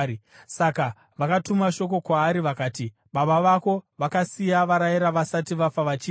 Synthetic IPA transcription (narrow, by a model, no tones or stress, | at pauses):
i | saka | ʋakatumaʃo̞k̬o̞kwaːɾiʋakaːti | ɓaɓaʋako̞ʋakasijaʋaɾajiɾaʋasatiʋafaʋat͡ʃiː